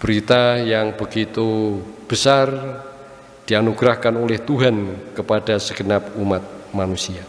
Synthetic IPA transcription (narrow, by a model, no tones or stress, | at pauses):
b̥əɾit̪ajaŋbəɡit̪ub̥əsar | d̥ianuɡ̥ɾahkanolɛht̪uɦankəpad̥asəɡ̥ənapumat̪̚manusia